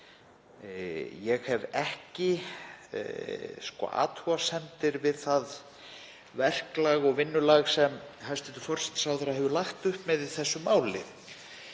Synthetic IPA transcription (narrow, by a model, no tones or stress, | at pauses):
jɛɣhɛvɛhcɪ̰ | skɔ̰ːʔa̰ːt̪huasɛnt̪ɪɾvɪðθað | vɛr̥klaɣɔɣvɪnːʏlaɣsɛmhajst̪ɛnt̪ʏfɔr̥sɛ̥t̪ːsawθaɾahɦɛvʏlaxt̪ʏhpmɛðɪθɛsːʏmaːwlɪ̰